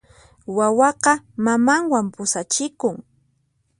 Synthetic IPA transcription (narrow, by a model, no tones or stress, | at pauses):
wawɑqɑmamaŋwampʊsat͡ʃɪkʊŋ